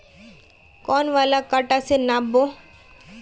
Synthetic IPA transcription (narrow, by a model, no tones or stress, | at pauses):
kɔːnʋaːlakaːʈasenaːbo